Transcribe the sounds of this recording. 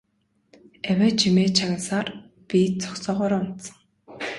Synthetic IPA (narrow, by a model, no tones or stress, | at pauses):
æwʲæːt͡ɕʰimeːt͡ɕʰaɣʲə̆nsaːr | pʲit͡sʰɔ̥ksɔːʁɔːɾʊn̥t̪sə̥̆ŋ